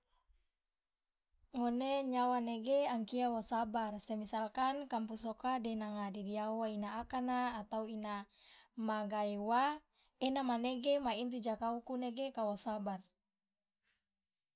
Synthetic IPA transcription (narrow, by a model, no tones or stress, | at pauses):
ŋoneɲawaneɡeaŋkiawasabarsemisalkankampusokadenaŋadidiauwainaːkanaːt̪auinamaɡaewa | enamaneɡemaint̪id͡ʒakaukuneɡekawasabar